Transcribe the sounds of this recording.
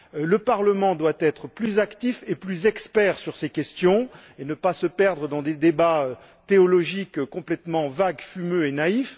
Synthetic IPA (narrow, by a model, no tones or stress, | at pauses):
ləpaʁləmɑ̃d̪wat̪ɛt̪χəplyzakt̪ifeplyzɛkspɛʁsyʁsekʲɛst̪jɔ̃ | enəpasəpɛʁd̪ʁəd̪ɑ̃d̪ed̪ebaø | t̪eɔlɔʒikkɔ̃plɛt̪mɑ̃vaɡfymøenaif